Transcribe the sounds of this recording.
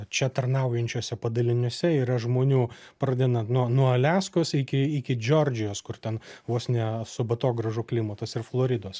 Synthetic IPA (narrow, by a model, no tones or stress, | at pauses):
t͡ʃʲɛt̪ɐrnɐʊjɛnʲt͡ʃʲoːsʲɛpɐd̪ɐlʲɪnʲoɔsʲɛiːɾɐʒmoːnʲuː | pɾɐd̪ʲɛnɐt̪nuɔnuɔɐlʲæːskoːsɪkʲɪɪkʲɪd͡ʒʲoːrʲd͡ʒʲɪjoːskʊrt̪ʲɛnʋoːsʲnʲɛsʊbɐt̪oːɡɾɐʒʊklʲɪmɐt̪ɐsɪrflˠoːɾʲɪd̪oːs